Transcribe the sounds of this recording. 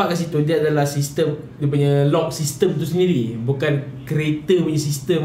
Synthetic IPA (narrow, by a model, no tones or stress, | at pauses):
aʔkans̬it̪udiaadalahsist̪əm | dip̬uɲalɔʔ̚sist̪əmt̪us̬əndiɾibukankɾet̪əmuɲəsist̪əm